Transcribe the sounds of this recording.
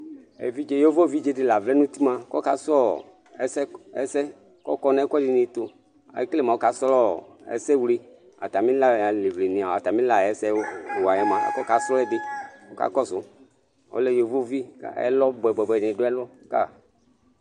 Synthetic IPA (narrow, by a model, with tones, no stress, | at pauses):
ɛ̰˨vi˦d͡ʒe˨jo˦vo˦˨vi˦d͡ʒe˨dɪ˨la˨vlɛ˦nũ˦t̪i˦mã˨kɔ˦ka˨sɔ˦ | ɛ˨˦sɛ˦ɛ̰˦sɛ˦ | kɔ̰˦kɔ˦nã˦kɔ˦dɪ˨nĩ˨t̪o˨ | a̰˨˦kle˦mã˨o˦ka˨˦sɔ˦lɔ˦˨ɛ̰˨˦sɛ˦wle˨ | a̰˨t̪a˨mĩ˦la˦˨a˨le˨vle˨nĩ˨a˨a˨t̪a˨mĩ˦la˨ɛ˨˦sɛ˦˨wa˨ja˨mã˨a̰˨kɔ˦ka˨sɔ˦ɛ˦dɪ˨o˦ka̰˦kɔ˦zʊ˨˦ | o̰˦lɛ˦jo˨vo˦˨vi˦ɛ̰˦lɔ˦bɛ˨bɛ˨bɛ˨nĩ˨do˦ɛ˦lɔ˦ka̰˦˨